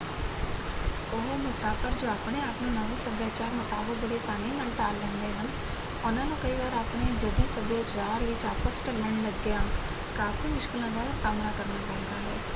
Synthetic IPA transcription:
ʊɦmʊsaːfʰəɾd͡ʒoːaːpneaːpnẽːnəʋĩsəbjaːt͡ʃaːɾmʊt̪aːbək̚bəɽesaːneːnəlʈaːlːɛ̃ːnd̪eːɦən | ʊnãːnũkəiʋaːɾaːpneːd͡ʒɐd̪iːsəbjaːt͡ʃaːɾʋɪt͡ʃaːpəsʈəlɛ̃ɳɖləɡːjãː | kaːfiːmʊʃkɪlãd̪aːɾasaːmnaːkəɾnaːdãːɦnd̪aːɦɛː

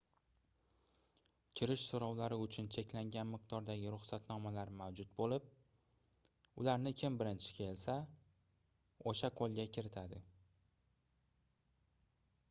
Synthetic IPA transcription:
kʲʰɪɾɪʃsoɾɒwlaɾɪʊt͡ʃʰʊnt͡ʃʰe̞kʲlaŋɡʲanmɪq̚d̪ɒɾd̪aɡʲɪɾʊχsat̪nɒmalaɾmawd͡ʒʊt̪̚bolɪp̚ | ʊlaɾnɪkʲʰɪmbɪɾɪnt͡ʃʰɪ̥kʲʰe̞lsa | oʃaqʰolˠɡʲakʲʰɪɾɪt̪ʰad̪ɪ

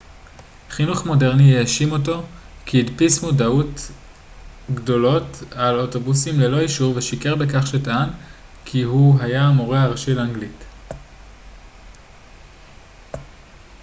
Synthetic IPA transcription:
χinuχmo̞de̞ʁnijeaʃimo̞to̞ | kʰiːdpismudaut | ɡdo̞lo̞taloto̞busimlelo̞iʃuʁveʃike̞ʁbekaχʃetaankʰiɦuɦajamoʁeaʁaʃilaŋɡlit

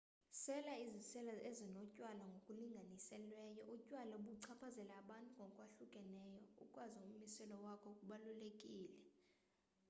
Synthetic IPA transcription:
sɛlaizisɛlaezinɔcʼwalaŋɡʱokʼuliŋɡʱanisɛlwɛjɔʔucʼwalauɓuǀʰapʰazɛlaːɓantʼuŋɡʱɔkʼwaɬukʼɛnɛjɔṵkʼwaziumisɛlɔwakʰɔkʼuɓalulekʼiːlɛ

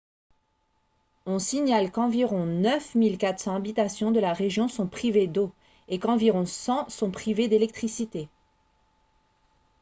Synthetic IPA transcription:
ɔ̃siɲalkɑ̃viʁɔ̃nœfmilkat̪χsɑ̃abit̪asjɔ̃d̪əlaʁeʒjɔ̃sɔ̃pχived̪o | ekɑ̃viʁɔ̃sɑ̃sɔ̃pχived̪elɛk̚t̪χisit̪e

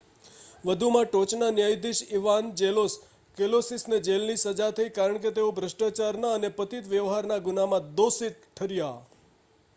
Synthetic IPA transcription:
ʋəd̪ʱumãʈot͡ʃnanjajd̪iʃiʋand͡ʒelos | kelosisned͡ʒelnisəd͡ʒat̪ʰəikaɾəɳk̬et̪eobʱɾəʃʈat͡ʃaɾnaənepət̪it̪ʋjəʋɦaɾnaɡunamãd̪osit̪̚ʈʰːəɾja

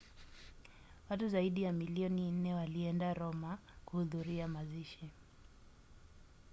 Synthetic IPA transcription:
watuzaiɗijamiliɔnin̩nɛwaliɛndaɾɔmakuhuðuɾiamaziʃi

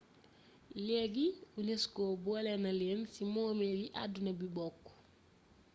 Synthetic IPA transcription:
lɛɡiuneskobuɐlɛnɐleːnsimɔːmeliʔa̰dːunɐbibɔkː

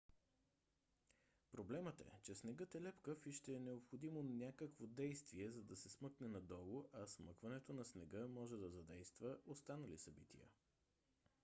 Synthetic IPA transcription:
pɾoblɛmət̪ɛ̰t͡ʃɛsnɛɡət̪ɛlɛpkəfiʃt̪ɛːnɛopxod̪imonʲakəkvod̪ɛjst̪viɛzɐd̪ɐsɛsmɤknɛnɐd̪ɔlˠoʔɐsmɤkvɐnɛt̪onɐsnɛɡəmɔʒɛd̪ɐzɐd̪ɛjst̪vəʔost̪anɐlisɐbit̪ḭjə̰

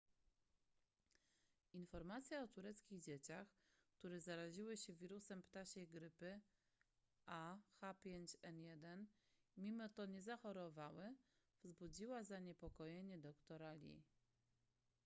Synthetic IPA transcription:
infɔɾmat̪sʲjaɔt̪uɾɛt̪skʲiɣd͡ʑet͡ɕaxkt̪uɾɛzaɾaʑiwɘɕɛvʲiɾusɛmpt̪aɕɛjɡɾɘpɘ | axapʲjeɲt͡ɕɛnjɛd̪ɛn | mʲimɔt̪ɔɲɛzaxɔɾɔvawɘ | vzbud͡ʑiwazaɲɛpɔkɔjeɲɛd̪ɔkt̪ɔɾalʲḭ

